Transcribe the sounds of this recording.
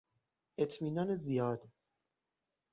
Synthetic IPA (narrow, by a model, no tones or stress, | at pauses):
ʔe̞t̪ʰmiːnɒːnezijɒːd̪